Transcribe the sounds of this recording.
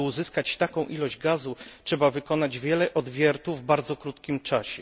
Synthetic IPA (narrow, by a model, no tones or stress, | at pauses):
uzɘskat͡ɕt̪akɔ̃w̃ʔilɔʑd͡ʑɡazutʂɛbavɘkɔnad͡ʑvʲjɛlɛʔɔd̪vʲjɛɾt̪uvːbaɾd̪zɔkɾut̪kʲimt͡ʂaɕɛ